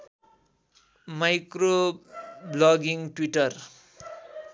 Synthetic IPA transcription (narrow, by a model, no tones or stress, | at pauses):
majkro | blʌɡiŋʈwiʈʌr